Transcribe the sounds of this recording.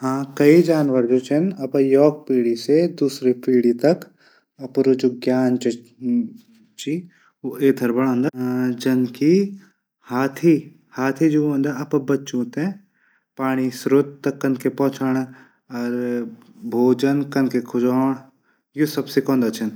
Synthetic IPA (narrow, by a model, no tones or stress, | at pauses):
ɦãːkɐid͡ʒaːnʋəɾd͡ʒoːt͡ʃʰɐnɐpjɔːk̚piːɽised̪uːsɾipiːɽit̪ɐk | ɐpɾod͡ʒoɡjaːnt͡ʃ | t͡ʃi | oeːt̪ʰɐɾbɐɽaːɦnd̪ad͡ʒɐnki | haːt̪ʰi | haːt̪ʰid͡ʒoɦõnd̪aɐpbɐtːt͡ʃõt̪ẽ | paːɽ̃isɾʊt̪t̪ːɐkːɐnkepɔ̃t͡ʃʰaɳ̃ | ɔɾ | bʱoːd͡ʒənkɐnkekʰʊd͡ʒoːɽ̃ | jusɐbsɪkɔ̃ːnd̪at͡ʃʰɐn